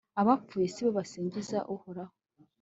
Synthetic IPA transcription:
aβap͡fuːjesiβoβasiːɲɟizaʔuhoɾaho

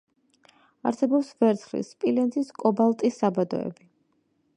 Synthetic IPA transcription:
aɾsɛbɔpsvɛɾt̪sʰχlḭspʼilɛnziskʼɔbalˠt̪ʼisːabad̪ɔ̰ɛ̰bi

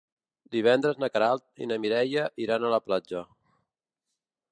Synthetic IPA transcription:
d̪iβ̞ɛnd̪ɾəznəkəɾalˠt̪̚ḭnəmiɾɛjəʔiɾanələplad͡ʒə

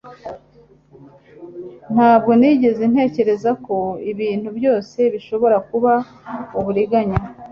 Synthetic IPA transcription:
n̥haːbɡo̞niːɟe̞ze̞n̥he̞ːce̞ɾe̞zako̞iβiːnhubjo̞ːse̞βiʃo̞βo̞ɾakuβa | uβuɾiɡaɲa

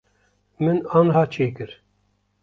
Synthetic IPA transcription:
mɨnɑːnɦɑːt͡ʃʰeːkɨɾ

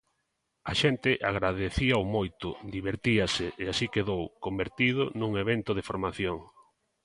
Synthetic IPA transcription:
aʃent̪ɪʔaɣɾaðeθiaomojt̪ʊd̪iβeɾt̪iasɪeasikeðowkombeɾt̪iðʊnũŋeβent̪ʊð̞efoɾmaθjoŋ

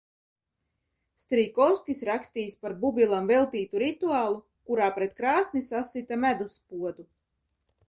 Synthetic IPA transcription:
st̪ɾikɔwskʲisɾaksʲt̪iːspaɾbubʲilˠamvɛlˠt̪iːt̪uɾit̪uaːlˠu | kuɾaːpɾɛt̪kɾaːsnisasit̪amæd̪uspuɔd̪u

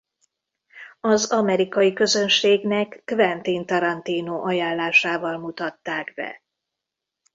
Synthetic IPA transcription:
ɒzɒmɛɾikɒjikø̞zø̞nʃeːɡnɛkːvɛnt̪iːnt̪ɒɾɒnt̪iːnoːʔɒjaːlːaːʃaːvɒlmut̪ɒt̪ːaːɡbɛ̰

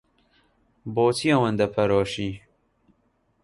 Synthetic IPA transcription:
boːt͡sʰiɐwɐnd̪ɐpʰɐɾoːʃiː

